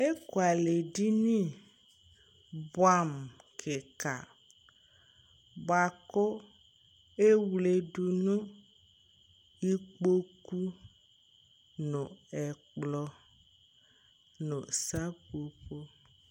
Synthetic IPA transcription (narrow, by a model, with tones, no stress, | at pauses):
e˦ko˨a˨le˨ɖi˦nĩ˦ | bwa˦mkʰe˨ka̰˨ | ba˨ko˦ | e˦wle˨ɖu˨nũ˦ | i˦k͡po˦ku˦ | nõ˨ɛ˨k͡plɔ˨ | nõ˨sa˦ko˨ɸo˦